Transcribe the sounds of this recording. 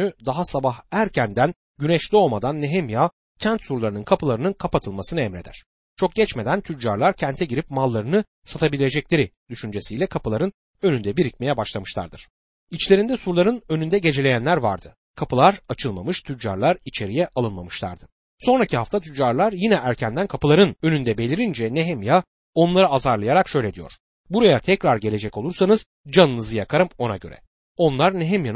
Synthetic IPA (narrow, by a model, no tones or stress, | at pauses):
yd̪aɦasabahæɾcʰænd̪æn | ɟynɛʃlʲio̞lˠmad̪anːeɦemja | cʰænt̪suɾlˠaɾɯnɯnkʰapɯlˠaɾɯnɯnkʰapat̪ʰɯlˠmasɯnɯɛmɾe̞d̪æ̰ɾ̥ | t͡ʃʰo̞k̚ɟ̥ɛt͡ʃme̞d̪ænt̪ʰyd͡ʒaɾlˠaɾcʰɛnt̪ʰɛɟiɾipmalˠːaɾɯnɯ | sat̪ʰabilʲed͡ʒɛclʲe̞ɾid̪̥yʃynd͡ʒesijlʲɛkʰapʰɯlˠaɾɯn | ønynd̪ɛbiɾicme̞jɛbaʃlˠamɯʃlˠa̰ɾd̪ɯɾ̥ | it͡ʃlʲe̞ɾind̪ɛsuɾlˠaɾɯnønynd̪ɛɟe̞d͡ʒelʲe̞jænlʲæɾva̰ɾd̪ɯ | kʰapɯlˠaɾat͡ʃʰɯlˠmamɯʃt̪ʰyd͡ʒa̰ɾlˠaɾit͡ʃʰe̞ɾijɛʔalˠɯnmamɯʃlˠa̰ɾd̪ɯ | so̞nɾacʰiɦaft̪ʰat̪ʰyd͡ʒaɾlˠaɾjinɛʔæɾcʰænd̪ænkʰapɯlˠaɾɯnø̞nynd̪ɛbe̞lʲiɾind͡ʒɛnɛɦɛmja | o̞nlˠaɾɯazaɾlˠajaɾakʃø̞jlʲɛd̪ijo̞̰ɾ̥ | buɾajat̪ʰɛcɾaɾɟe̞lʲe̞d͡ʒɛco̞lˠuɾsanɯz̥ | d͡ʒanɯnɯzɯjakʰaɾɯmo̞na̰ɟø̞̰ɾɛ̰ | o̞nlˠaɾnɛɦɛmjan